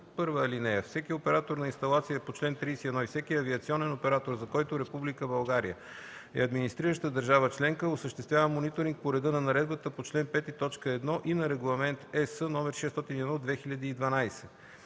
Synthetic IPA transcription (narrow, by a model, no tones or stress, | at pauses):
pɤɾvəlinɛɛfsɛkiopɛɾat̪oɾnɐinst̪ɐlˠat̪siəɛpot͡ʃlɛnt̪ɾijsiɛd̪nɔifsɛkiɐviɐt̪siɔnɛnopɛɾat̪oɾzɐkɔjt̪oɾɛpublikəbɐlˠɡaɾḭjə̰ | ɛ̰ɐd̪minist̪ɾiɾəʃt̪əd̪əɾʒavət͡ʃlɛŋkəosəʃt̪ɛst̪vʲjavəmonit̪oɾiŋk̚poɾɛd̪ənɐnɐɾɛd̪̚bət̪əpot͡ʃlɛnpɛt̪it̪ɔt͡ʃkəɛd̪nɔʔinɐɾɛɡlˠɐmɛnt̪ɛsənɔmɛɾʃɛst̪ɔt̪iniɛd̪ɔd̪vɛxiʎʲɐd̪iːd̪vɐnajsɛ